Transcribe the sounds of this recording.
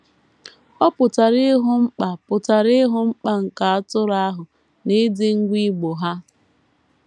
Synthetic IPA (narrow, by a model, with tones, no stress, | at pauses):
ɔ˦pʊ˨ta˨ɾɪ˦ɦʊ˦ŋ͡m̩˦k͡pa˨pʊ˨ta˨ɾɪ˦ɦʊ˦ŋ͡m̩˦k͡pa˨ŋ̩˨ka˨a˦tʊ˦ɾa˦ɦʊ˨ | ne˦dɪ˦ŋ̩˦ɡʷi˦ɡ͡bo˨ɦa˦